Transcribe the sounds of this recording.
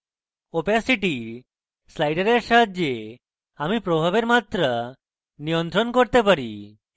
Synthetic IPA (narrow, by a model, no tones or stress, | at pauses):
opasiʈi | slajɖeɾeɾʃad̪d͡ʒe | amipɾobʱabeɾmat̪ɾa | nijont̪ɾonkoɾt̪epaɾḭ